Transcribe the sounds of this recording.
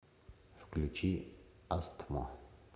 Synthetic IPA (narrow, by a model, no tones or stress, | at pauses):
fklʲut͡ʃʰi | ast̪ʰmɔ̰